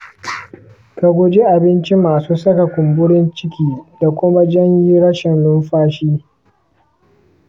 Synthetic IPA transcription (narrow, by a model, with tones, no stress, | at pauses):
ka˨ɡʷʊ˦d͡ʒe˦ʔa˨bɪ˦nt͡ʃi˦maː˨suː˦sɐ˦ka˨kʷʊ˨mbʊ˦ɽɪ˦nt͡ʃɪ˦kʲiː˦da˨kʷʊ˦ma˦d͡ʒɐ˦ɲji˦ɽɐ˦ʃɪ˨nlʊ˦mɸaː˦ʃiː˦